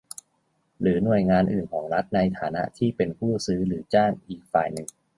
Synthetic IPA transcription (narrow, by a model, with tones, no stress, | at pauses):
ɾɯː˩˦nu˨˩əjŋaː˧nʔɯː˨˩nkʰɔː˩˦ŋɾa˦˥t̪̚na˧jt̪ʰaː˩˦na̰˦˥ʔt̪ʰiː˥˩pe˧npʰuː˥˩sɯː˦˥ɾɯː˩˦t͡ɕaː˥˩ŋʔiː˨˩k̚fa̰ː˨˩jnɯ˨˩ŋ